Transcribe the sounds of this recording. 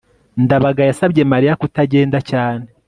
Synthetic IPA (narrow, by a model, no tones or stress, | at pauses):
ndaβaɡajasaβɟe̞maɾijakutaɟe̞ːndacaːne